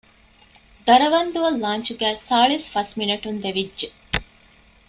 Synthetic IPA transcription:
d̪ɐɾɐʋɐnd̪uɐlːaːnt͡ʃuɡæːsaːɭisfɐsminɐʈund̪eʋidʒe

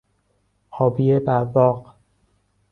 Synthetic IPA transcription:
hɒːbiebævɒːq

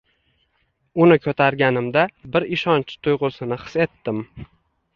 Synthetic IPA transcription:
ʊnɪkʰɵt̪ʰaɾɡʲanɪmd̪abɪɾɪʃɒnt͡ʃʰt̪ʰʊjʁʊsɪnɪχɨ̥se̞t̪ːɪm

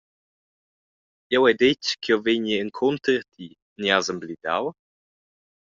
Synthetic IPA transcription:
jɛwɛd̪et͡ʃkʰiɔveɲiəŋkʰont̪əɾt̪ʰi | niazəmblid̪a̰w

